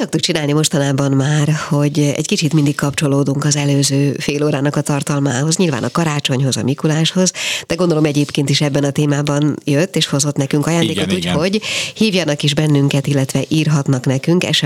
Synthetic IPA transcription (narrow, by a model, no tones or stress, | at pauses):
sɒk̚t̪uk̚t͡ʃinaːlnimo̞ʃt̪ɒnaːbɒmmaːrho̞ɟɛ̰ckit͡ʃit̪mind̪ikkːɒpt͡ʃo̞loːd̪uŋkɒzɛløːzøːfeːloːɾaːnɒkɒt̪ɒrt̪ɒlma̰ːɦo̞zɲilva̰ːnɒkɒɾaːt͡ʃo̞ɲho̞zɒ̰mikulaːʃho̞zd̪̥ɛɡo̞nd̪o̞lo̞mɛɟeːpkeːnt̪iʃɛbːɛnɒt̪eːmaːbɒnjøt̪ːeːʃho̞zo̞t̪nɛkyŋkɒjaːnd̪eːkouːcho̞ɟhiːvjɒnɒkiʒbɛnːyŋkɛt̪ilːɛt̪ʋɛʔiːrɦɒt̪nɒknɛkyŋkɛ̰ʃ